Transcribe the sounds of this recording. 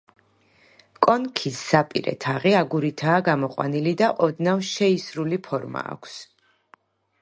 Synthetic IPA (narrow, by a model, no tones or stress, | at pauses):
kʼɔnkʰisːapʼḭɾɛ̰t̪ʰaʁiaɡuɾit̪ʰaːɡamɔqʼwa̰nilid̪aʔɔd̪navʃɛisɾulipʰɔɾma̰ːkʷʰs